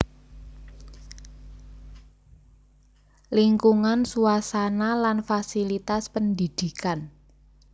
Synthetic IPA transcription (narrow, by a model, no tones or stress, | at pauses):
liŋkuŋansuasanalanfasilit̪aspəndid̪̥i̤kan